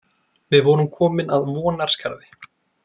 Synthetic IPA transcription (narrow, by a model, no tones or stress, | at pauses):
vɪðvɔːɾʏmkʰɔːmɪnaðvɔːnaɾ̥skaɾðɪ